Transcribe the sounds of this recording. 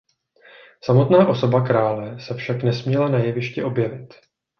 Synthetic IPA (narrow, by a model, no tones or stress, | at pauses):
samo̞t̪naːʔo̞so̞bakɾaːlɛsɛfʃaknɛsmɲɛlanajɛvɪʃcɛʔo̞bjɛvɪt̪